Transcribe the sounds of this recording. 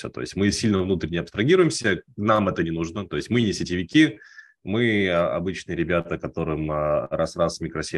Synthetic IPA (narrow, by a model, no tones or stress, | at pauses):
sʲə̰t̪o̰ɪ̰sʲtʲmɨsʲilʲnəvnut̪ɾʲɪnʲɪɐpst̪ɾɐɡʲiɾʊjɪmsʲənamɛt̪ənʲɪnuʐnət̪o̞ɪsʲtʲmɨnʲɪsʲɪtʲɪvʲɪkʲi | mɨɐ̰bɨt͡ɕnɨjəɾʲɪbʲat̪əkɐt̪o̞ɾɨmɾasrasmʲɪkɾɐsʲe